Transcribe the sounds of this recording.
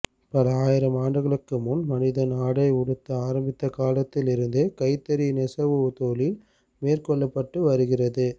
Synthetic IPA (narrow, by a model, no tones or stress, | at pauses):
pɐlɐaːjɪɾɐmaːɳɖɯɣɐɭɯkːɯmʊnmɐnɪðɐnaːɽɐɪʊɽɯt̪ːɐaːɾɐmbɪt̪ːɐkaːlɐt̪ːɪlɪɾɯnd̪ɯkɐɪt̪ːɐɾinɛsɐʋɯt̪oːlɪl | meːrkɔɭːɐpːɐʈːɯʋɐɾɯɣɪrɐðɯ